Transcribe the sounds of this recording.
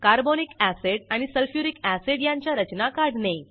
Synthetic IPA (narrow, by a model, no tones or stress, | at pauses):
kaɾbonikæseɽaɽ̃isəlfjuɾikæseɽjaɲt͡ɕjaɾət͡ɕnakaɾɽne